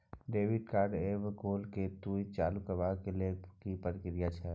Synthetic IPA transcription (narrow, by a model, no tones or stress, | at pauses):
ɖeːʋɪɖkaːɾɖeʋɡoːlket̪uit͡ʃaːlukəʋakelekipəɾɪkɾɪjat͡ʃʰɛ